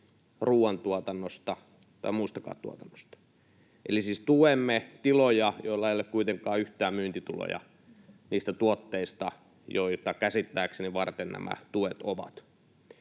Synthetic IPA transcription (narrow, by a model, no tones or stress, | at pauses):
ruːwɑnt̪uɑt̪ɑnːost̪ɑ | t̪ɑ̰imuist̪ɑkɑ̰ːt̪t̪ːuot̪ɑnːo̥st̪ɑ̥ | ʔelisiːst̪uʋemːet̪ilojɑjoilːɑjelːekkuit̪eŋkɑːyht̪æːmyːnt̪it̪ulo̰jɑ̰ | niːst̪æt̪uot̪ːeist̪ɑ | joit̪ɑkæsit̪ːæːkseniʋɑrt̪ennæ̰mʔæ̰t̪uʋet̪oʋɑ̰t̪